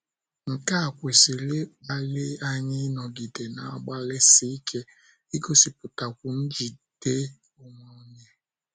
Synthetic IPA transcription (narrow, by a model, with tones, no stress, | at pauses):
ŋ̩˨ka˦˨kʷe˨si˨lɪ˦k͡pa˦lɪ˦a˦ɲɪ˦nɔ˨ɡi˨de˨na˨˦ɡ͡ba˦le˦si˦i˦kʰe˦ | i˦ɡo˦si˨pʊ˨ta˨kʷu˨n̩˦d͡ʒi˨d̥e˦ | o˦mo˦ɲe˦